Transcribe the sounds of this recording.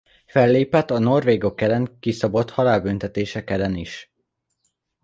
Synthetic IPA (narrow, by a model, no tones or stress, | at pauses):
fɛlːeːpɛt̪ːɒno̞rveːɡo̞kɛlɛŋkisɒbo̞t̪hɒlaːlbynt̪ɛt̪eːʃɛkɛlɛniʃ